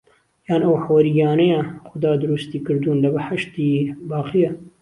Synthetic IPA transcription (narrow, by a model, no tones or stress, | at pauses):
jaːnɐwħawɐɾiɡɑːnɛjaxʊd̪ɑːd̪ʊɾust̪iːkɨɾd̪uːnlɐbɨħaʃt̪iːbɑːqija